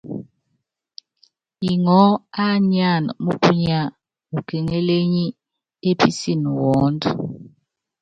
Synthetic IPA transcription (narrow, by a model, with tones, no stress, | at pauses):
i˨ŋɔ˦a˦ɲa˦˨nɔ̰˨mu˦kʰu˦ɲa˨ | ŋu˨kɛ˨ŋɛ˦le˦ɲi˦ | e˦pʰi˦si˦˨nu˨wɔː˦ndɔ˨